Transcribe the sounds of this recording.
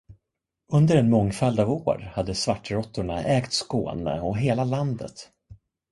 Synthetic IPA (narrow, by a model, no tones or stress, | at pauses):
ɵnd̪əɾɛnmɔŋːfald̪avoːɾhad̪ːəsvaʈːɾɔt̪ːʊɳaʔɛːkt̪sko̰ːnə̰ɔɦeːlaland̪ə̰t̪